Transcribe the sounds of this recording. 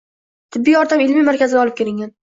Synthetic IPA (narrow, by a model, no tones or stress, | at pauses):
t̪ʰɪbːijɒɾt̪ʰamɪlmimaɾkʲʰazɪaɒlˠɪp̚kʰʲe̞ɾɪŋʲan